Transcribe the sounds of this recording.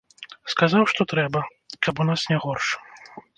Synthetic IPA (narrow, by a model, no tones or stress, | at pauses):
skazawʂt̪ɔt̪ɾɛbɐ | kʰɐpunasnʲɛɣɔrʂ